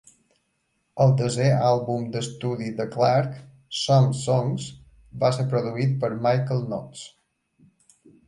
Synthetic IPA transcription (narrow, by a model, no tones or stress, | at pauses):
əlˠd̪əzealˠβumd̪əst̪uðid̪əklaɾk | sɔmsɔŋz | baseɾpɾoðuit̪̚pəɾmajkəlˠnɔt̪t͡s